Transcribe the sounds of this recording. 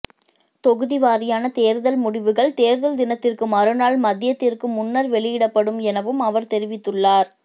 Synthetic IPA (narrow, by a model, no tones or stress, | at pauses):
t̪ɔɣɯðɪʋaːɾɪjaːnɐt̪eːɾðɐlmʊɽɪʋɯɣɐɭt̪eːɾðɐld̪ɪnɐt̪ːɪrkɯmɐɾɯnaːlmɐðɪjɐt̪ːɪrkɯmʊnːɐɾʋɛɭɪjɪɽɐpːɐɽɯmɛnɐʋɯmɐʋɐɾt̪ɛɾɪʋɪt̪ːɯɭːaːɾ